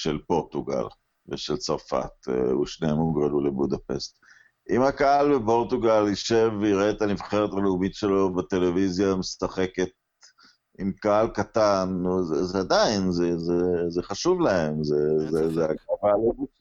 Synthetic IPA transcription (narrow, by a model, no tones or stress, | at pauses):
ʃelpo̞ʁt̪uɡa̰l | veʃelt͡saʁfa̰t̪ḛuʃneemuɡʁelulebud̪ape̞̰st̪ | ʔimhakaalbepo̞ʁt̪uɡaliʃe̞viʁet̪anivχeʁetaleumitʃe̞lo̞bat̪elevizjamist̪aχe̞ke̞t̪̚ | imkaalkatanːuzezead̪ainzezezeχaʃuvlahe̞mzezezeaɡʁavalovi